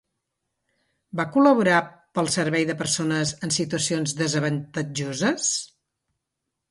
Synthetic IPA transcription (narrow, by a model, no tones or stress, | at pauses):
bakuləβ̞uɾapəlˠsəɾβɛjðəpəɾsonəzənsit̪uəsionzðəzəβənt̪əd͡ʒozəs